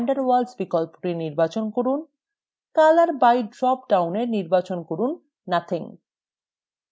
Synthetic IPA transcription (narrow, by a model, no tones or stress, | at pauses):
aɳɖaɾwalsbikɔlpo̥ʈiniɾbat͡ɕonkoɾun | kalaɾbajɖɾɔp̚ɖawneɾniɾbat͡ɕonkoɾunː | at̪ʰiŋ